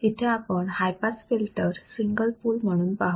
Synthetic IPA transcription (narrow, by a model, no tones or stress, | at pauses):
it̪ʰeapəɳhajpasfilʈəɾsiŋɡəlpuːlm̤əɽ̃uːnpaɦ